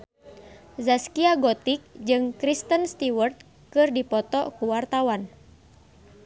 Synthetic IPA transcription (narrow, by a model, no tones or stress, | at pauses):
zaskiaɡɔt̪ik̚d͡ʒɨŋkɾist̪ənst̪iwərt̪̚ | kɨrdipɔt̪ɔkuwart̪awan